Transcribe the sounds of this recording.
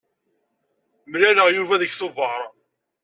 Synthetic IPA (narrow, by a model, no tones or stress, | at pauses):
mlæləʁjuvæðəçθʊvɑɾˤ